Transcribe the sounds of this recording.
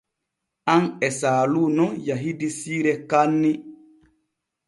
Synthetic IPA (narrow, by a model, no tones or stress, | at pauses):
anɛsaːlunɔjaɦidisiːɾɛkanːi